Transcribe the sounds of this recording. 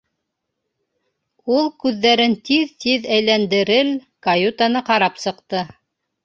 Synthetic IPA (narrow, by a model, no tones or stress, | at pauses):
ulˠkʉðːæɾɘnt̪iðt̪iðæjlænd̪ɘ̆ɾɘl | kɐjut̪anɤqɑɾɑpsɤ̆qt̪ɤ